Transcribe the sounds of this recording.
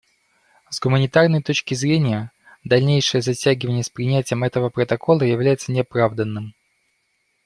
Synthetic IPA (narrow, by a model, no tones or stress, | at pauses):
zɡʊmənʲɪt̪arnəjt̪o̞t͡ɕkʲɪzɾʲenʲɪjə | d̪ɐlʲnʲejʂɨjəzɐtʲæɡʲɪvənʲɪjəspɾʲɪnʲætʲɪjəmɛt̪əvəpɾət̪ɐkʰo̞lˠəjɪvlʲæjɪt̪sənʲɪɐpɾavd̪ənːɨm